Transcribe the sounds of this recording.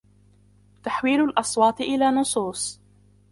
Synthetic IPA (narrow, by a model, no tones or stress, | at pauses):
t̪aħwiːlʊlʔɑsˤwɑːt̪ˤʔɪlaːnʊsˤuːsˤ